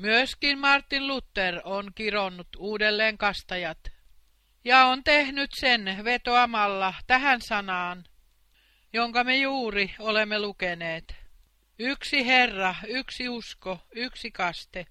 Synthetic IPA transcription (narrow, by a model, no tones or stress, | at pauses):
myøskinmɑrt̪ːinlut̪ːeronkironːut̪uːdelːeːŋkɑst̪ɑjɑt̪ | jɑont̪ehnyt̪senʋet̪oɑmɑlːɑt̪æhænsɑnɑːn | joŋkɑmejuːriolemːelukeneːt̪ | yksiherːɑyksiuskoyksikɑst̪e